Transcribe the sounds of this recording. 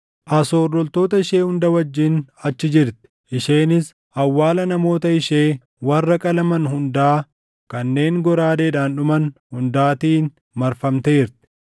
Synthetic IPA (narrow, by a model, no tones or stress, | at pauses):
ʔɐso̞ːrːɔlt̪oːt̪ɐɪʃeːhʊnd̪ɐwɐd͡ʒːɪnɐt͡ʃːɪd͡ʒɪɾt̪ɪ̥ʔɪʃe̞ːnɪs | ʔɐwːaːlɐnɐmo̞ːt̪ɐɪʃe̞ː | wɐrːɐkʼɐlɐmɐnhʊnd̪aː | kɐnːe̞ːŋɡɔɾaːd̪eːᶑaːnᶑʊmɐnhʊnd̪aːt̪iːn | mɐɾfɐmt̪eːɪɾt̪ɪ̥